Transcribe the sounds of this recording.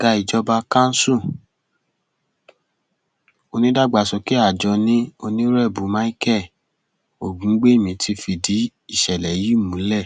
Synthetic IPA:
ɡa˧i˨d͡ʒɔ˧ba˧kã˦n̩˦sũ˦˨ | o˧nĩ˦da˦˨ɡ͡ba˨sɔ˨˧ki˦a˦˨d͡ʒɔ˨˧nĩ˦o˧nĩ˦ɾɛ˦˨bu˨˦mã˦i˦kɛ˦˨ | o˨ɡũ˨˦ɡ͡be˦˨mĩ˧˦tʰi˧fi˧di˨˦ | i˦˨ʃɛ˨lɛ˨˦ji˦˨mũ˨˦lɛ˦˨

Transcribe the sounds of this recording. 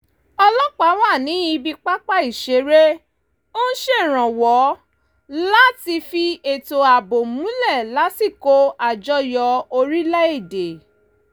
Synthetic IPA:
ɔ˧lɔ˦k͡pa˨˦wa˦˨nĩ˨˦i˧bi˧k͡pa˦k͡pa˦i˦˨ʃe˨˦ɾe˦ | o˦ʃe˦˨ɾ̃ã˨wɔ˨˦ | la˦ti˧fi˧e˨to˨a˨bo˨mũ˨˦lɛ˦˨la˨˦si˦˨ko˨˦a˦˨d͡ʒɔ˦jɔ˧o˧ɾi˦lɛ˦e˦˨de˨

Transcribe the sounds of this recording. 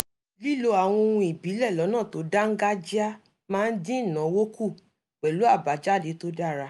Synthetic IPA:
li˦lo˧a˨w̃ɔ̃˧o˧wũ˧i˨bi˨˦lɛ˦˨lɔ˨˦nãː˦˨to˨˦da˦ŋ̩˦ɡa˦d͡ʒi˦a˦ | mãː˦˧n̩˦dĩ˦˨nã˨˦wo˦ku˦˨ | k͡pɛ˨lu˨˦a˦˨ba˨d͡ʒa˦˨de˨˦to˦da˦ɾa˧

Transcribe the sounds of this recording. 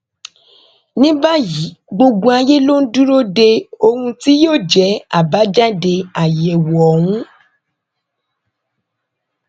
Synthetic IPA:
nĩ˦ba˦ji˨˦ɡ͡bo˧ɡ͡bo˧a˧je˦lo˦n̩˦du˦ɾo˦de˧o˧hũ˧ti˦joː˦˨d͡ʒɛ˨˦a̰˦˨ba˨˦d͡ʒa˦de˧a˨jɛ˨wɔ˨ɔ˨wũ˨˦

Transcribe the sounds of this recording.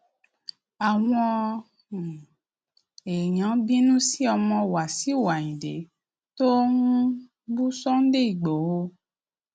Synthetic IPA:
a˨w̃ɔ̃˦˨ | e˨ɲã˨˦bi˦nũ˦si˦ɔ˧mɔ̃˧wa˨si˦˨wa˨ɲĩ˨de˨˦ | to˦ŋũ˦ | bu˦sɔ˦n̩˦de˦i˨ɡ͡bɔ˨wo˦

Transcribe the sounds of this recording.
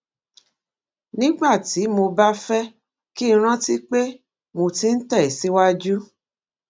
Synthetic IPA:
nĩ˦ɡ͡ba˦˨ti˨˦mo˧ba˦fɛ˦ | ki˦˧ɾ̃ã˦ti˦k͡pe˦ | mo˧ti˦n̩˦tɛ˦˨i˨si˦wa˦d͡ʒu˦

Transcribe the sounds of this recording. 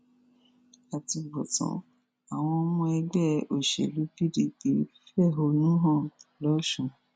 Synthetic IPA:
a˨ti˧bɔ˨tɔ̰̃˨˦ | a˨w̃ɔ̃˧mũ˧˦ɛ˧ɡ͡bɛ˦˨o˨ʃḛ˨lu˨˦ki˦di˧ke˨˦ffɛ˦˨ɦo˧nũ˦ɦɔ̃˦˨lɔ˨˦ʃũ˦˧˨

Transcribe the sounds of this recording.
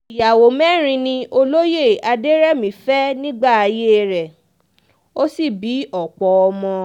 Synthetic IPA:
i˨ja˨wo˨mɛ̃˦ɾ̃ĩ˧nĩ˧o˧lo˦je˦˨a˧de˦ɾɛ˦mĩ˨˦fɛ˦nĩ˦ɡ͡ba˦˨a˧je˦ɾɛ˨ | o˦si˦˨bi˨˦ɔ˨k͡pɔ˨˦ɔ˧mɔ̃˧

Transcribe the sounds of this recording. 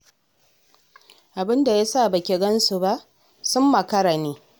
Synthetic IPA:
ʔa˨bɪ˦nda˨ja˦saː˦˨bɐ˨kʲe˨ɡɐ˦nsu˨ba˦ʔ | sʊ˦mːɐ˨kɐ˦ɽa˨neː˦

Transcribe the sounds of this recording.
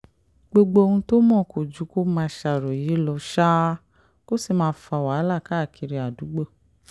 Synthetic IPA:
ɡ͡bo˧ɡ͡bo˧o˧hũ˧to˦mɔ̃˦˨ko˨d͡ʒu˨˦ko˦mãː˧ʃa˨ɾɔ˨ji˨˦lɔ˧ʃa˦ | ko˦si˦˨mãː˧˦fa˧˨wa˨˦la˦˨ka˦˨kʰi˧ɾi˧a˨du˨˦ɡ͡bo˦˨

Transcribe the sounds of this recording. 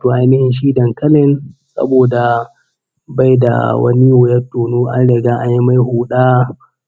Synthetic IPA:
toː˨ʔa˦jnɪ˦hɪ˨nʃiː˦dɐ˨ŋkɐ˦lɪ˦nsɐ̰˦boː˨da˨ | ba˦jda̰˨wɐ̰˦ni˦wʊ˨jɐ˦tːoː˨nuː˦ʔa̰˦nɽɐ˨ɡaː˦ʔa˦ɲji˦ma˦jhuː˨ɗaː˦

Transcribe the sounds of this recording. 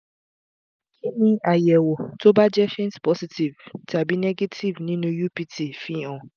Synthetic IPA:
kʰĩ˦nĩ˦a˨jɛ˨wo˨tʰo˦ba˦d͡ʒɛ˦fĩ˦nspɔ˦si˨tʰi˨vtʰa˨bi˦nɛ˦ɡe˦tʰi˨vnĩ˦nũ˦ju˦pi˦tʰi˦fĩ˦ɔ̃˨

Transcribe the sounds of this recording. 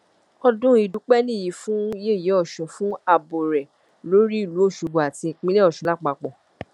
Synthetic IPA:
ɔ˧dũ˦i˨dũ˨˦k͡pɛ˦nĩ˦˨ji˨˦fũ˦je˦˨ji˨˦ɔ˦˨ʃɔ̃˨fũ˦a˧bo˨ɾɛ˨ | lo˨˦ɾi˦i˦˨lu˨˦o˦˨ʃo˨bo˨a˨tĩ˧˨k͡pĩ˦le˦ɔ˦˨ʃɔ̃˨˦la˦k͡pa˧k͡pɔ˨

